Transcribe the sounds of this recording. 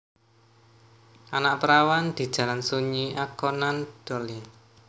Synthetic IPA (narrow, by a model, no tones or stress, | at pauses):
ʔanaʔpəɾawand̪̥i̤d̥ʒ̥a̤lansuɲiʔakɔnand̪̥ɔle